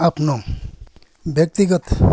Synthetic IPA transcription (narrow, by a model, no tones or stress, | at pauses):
apno | bjək̚t̪iɡət̪